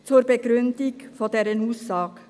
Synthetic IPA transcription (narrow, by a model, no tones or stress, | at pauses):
t̪ʰɔɾbɛɡɾʉnd̪ɪɡfɔd̪eːɾenuːsɑːk